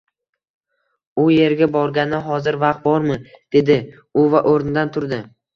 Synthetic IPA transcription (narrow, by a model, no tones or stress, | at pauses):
ʊje̞ɾɡʲabɒɾɡʲanɪɦɒzɪɾvaq̚t̪̚bɒɾmɪd̪̥e̞d̪ɪ | ʊvaʔoɾnɪd̪ant̪ʰʊɾd̪ɪ